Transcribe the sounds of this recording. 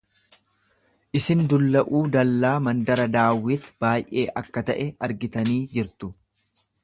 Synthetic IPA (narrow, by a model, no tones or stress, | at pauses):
ʔɪsɪnd̪ʊlːɐʔuːd̪ɐlːaːmɐnd̪ɐɾɐd̪aːwːɪt̪b̥aːjʔe̞̰ːʔɐkːɐt̪ɐʔɛɐɾɡɪt̪ɐniːd͡ʒɪɾt̪ʊ